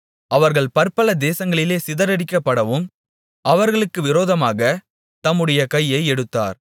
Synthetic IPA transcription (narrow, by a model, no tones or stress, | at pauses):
ɐʋɐɾɣɐɭpɐɾpɐlɐd̪eːsɐŋɡɐɭɪleːsɪðɐɾɐɽɪkːɐpːɐɽɐʋɯm | ʔɐʋɐɾɣɐɭɯkːɯʋɪɾoːðɐmaːɣɐ | t̪ɐmːɯɽɐjɐkɐjːɐɪɛɽɯt̪ːa̰ːɾ